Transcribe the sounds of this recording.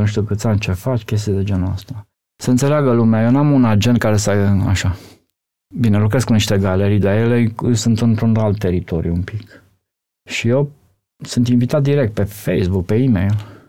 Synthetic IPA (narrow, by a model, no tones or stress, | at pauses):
nuʃ̬t̪iukɨt̪sant͡ʃe̞fat͡ʃʲkʲes̬t̪ijd̪e̞d͡ʒenua̰st̪a | səɨnseleaɡəlumeajewnamunad͡ʒenkaɾe̞saja̰ʃa | binelukɾeskuniʃt̪e̞ɡale̞ɾijd̪ajeleɨsunt̪ɨnt̪ɾunalt̪ːe̞ɾit̪o̞ɾjuumpik | ʃije̞w | sunt̪invit̪at̪̚d̪iɾek̚t̪̚pe̞fejsbuk̚pe̞imḛjl